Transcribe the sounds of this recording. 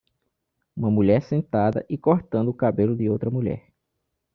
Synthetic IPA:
ũmɐmuʎɛɾsẽnt̪ad̪ɐ̰ʔɪkoɾt̪ɐ̃nd̪ʊːkabelʊd̪ɪowt̪ɾɐmuʎɛ̰ɾ

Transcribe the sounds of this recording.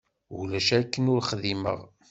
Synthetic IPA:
ṵlæʃækːənʊɾχəðimə̰ʁ

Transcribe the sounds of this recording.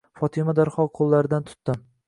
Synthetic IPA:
fɒt̪ʰɪmad̪aɾχɒqʰolˠːaɾɪd̪ant̪ʰʊ̥t̪ːɪm

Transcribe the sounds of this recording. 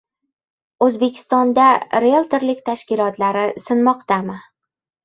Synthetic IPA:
ɵzbe̞kʲʰɪ̥st̪ɒnd̪aɾelˠt̪eɾlɪkʲt̪ʰaʃkʲɪlɒt̪laɾɪsɪnmɒqt̪amɪ

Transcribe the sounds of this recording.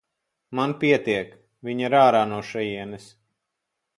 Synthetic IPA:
manpʲiɛt̪iɛk | vʲiɲiɾaːɾaːnuɔʃɛjiɛnɛs

